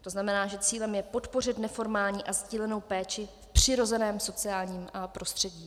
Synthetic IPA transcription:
t̪o̞znamɛnaːʒɛt͡siːlɛmjɛpo̞t̪po̞r̝ɪt̪nɛfo̞ɾmaːlɲiːʔazɟiːlɛno̞wpɛːt͡ʃɪfpr̝̥ɪɾo̞zɛnɛːmso̞t͡sɪaːlɲiːmapɾo̞st̪r̝̥ɛɟiː

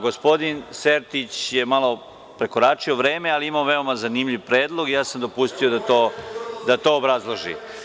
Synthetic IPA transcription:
ɡo̞spo̞d̪inseɾt̪it͡ɕjemalˠo̞ | pɾe̞ko̞ɾaːt͡ʂio̞ʋɾe̞ːmealiimaoʋe̞o̞mazanimʎiʋpɾeːd̪lˠo̞ɡijaːsamd̪o̞pust̪io̞d̪at̪o̞ːd̪at̪o̞ːbɾazlˠoʒḭ

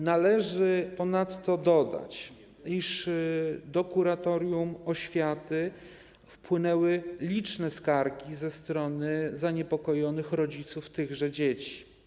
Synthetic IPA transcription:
nalɛʐɘpɔnat̪ːɔd̪ɔd̪a̰t͡ɕ | iʂ | d̪ɔkuɾat̪ɔɾjumɔɕfʲjat̪ɘ | fpwɘnɛwɘlʲit͡ʂnɛskaɾkʲizɛst̪ɾɔnɘzaɲɛpɔkɔjɔnɘxɾɔd͡ʑit̪suft̪ɘɣʐɛd͡ʑet͡ɕi̥

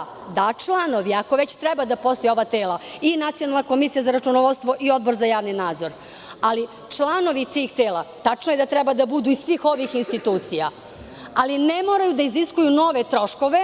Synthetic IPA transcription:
d̪at͡ʂlˠano̞ʋiako̞ʋet͡ɕt̪ɾɛbad̪apo̞st̪o̞jeoʋat̪eːlainat̪sijo̞nalnako̞misijazaɾat͡ʃunoʋot̪st̪ʋo̞ʔio̞d̪̚bo̞ɾzajaːʋninaːd̪zo̞ɾ | ali | t͡ʂlˠano̞ʋit̪iːxt̪eːlˠat̪at͡ʂnojed̪at̪ɾɛbad̪abud̪uisʋiːxo̞ʋixinst̪it̪uːt̪sija | alinemoɾajud̪aiziskujuno̞ʋet̪ɾo̞ʃkoʋe̞

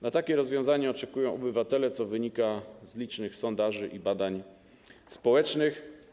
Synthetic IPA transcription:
nat̪akʲɛɾɔzvʲjɔ̃w̃zaɲɛɔt͡ʂɛkujɔ̃w̃ɔbɘvat̪ɛlɛt̪sɔvɘɲikazlʲit͡ʂnɘxsɔnd̪aʐɘʔibad̪aɲ | spɔwɛt͡ʂnɘx

